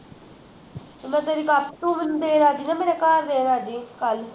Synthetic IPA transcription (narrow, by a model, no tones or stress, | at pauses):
mɛ̃t̪eɾikapʈũːmənd̪eːɾaːd͡ʒinɛmenekaːɾːeːɾaːd͡ʒikal